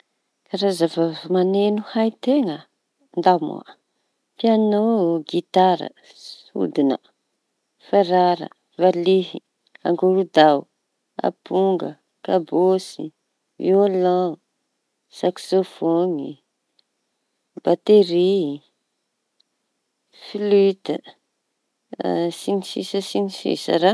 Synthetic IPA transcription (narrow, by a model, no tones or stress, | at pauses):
kaɾazavavmanenuhajt̪eŋə | nd̪amṵa̰ | pianoɡit̪aɾə̰ | ṵd̪inə̰ | faɾaɾə̰ | valiɦi | a̰ŋɡoɾud̪aw | a̰puŋɡə̰ | kabosi | iolã | saksofoni | b̥at̪eɾi | filit̪ə | sinisisəsinisḭsa̰ɾa